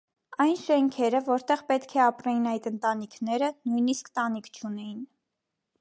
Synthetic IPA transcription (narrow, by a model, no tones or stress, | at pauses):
ɑjnʃɛŋkʰɛɾəvɔɾt̪ɛʁpɛt̪kʰɛɑpɾɑjinɑjt̪ənt̪ɑnikʰnɛɾənujniskt̪ɑnikʰt͡ʃʰunɛjin